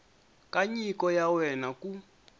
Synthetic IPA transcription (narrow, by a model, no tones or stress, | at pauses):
kaɲikɔjawɛnaku